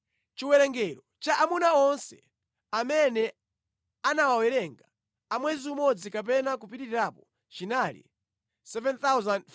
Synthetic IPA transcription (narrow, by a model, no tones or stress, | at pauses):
t͡ʃiwɛɾɛŋɡɛɾɔt͡ʃaʔamunaɔnsɛ̰ | amɛnɛ | anawawɛɾɛŋɡa | amwɛziumɔd͡zikap̬ɛnakupitiɾiɾaːpɔ | t͡ʃinalḭ | sɛvɛnt̪awzand